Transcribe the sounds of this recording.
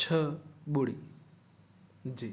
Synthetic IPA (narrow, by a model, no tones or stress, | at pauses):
t͡ʃʰʌbuɽi | d͡zi